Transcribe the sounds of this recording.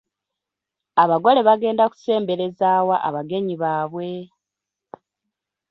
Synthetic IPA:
aβaɡo̞le̞βaɡe̞ːndaku̥se̞ːmbe̞ɾe̞zaːwaʔaβaɡe̞ɲiβaːβwe̞

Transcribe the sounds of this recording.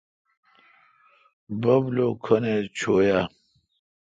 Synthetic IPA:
bɐblokʰɐnet͡ɕʰoːja

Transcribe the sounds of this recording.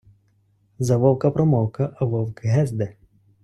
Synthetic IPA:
zɐʋɔwkɐpɾɔmɔwkɐʔɐʋɔwkɪɦɛzd̪ɛ

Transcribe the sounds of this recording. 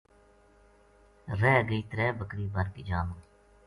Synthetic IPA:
ɾɛːɡəiːt̪əɾɛːbəkɾiːbəɾkid͡ʒaːmə

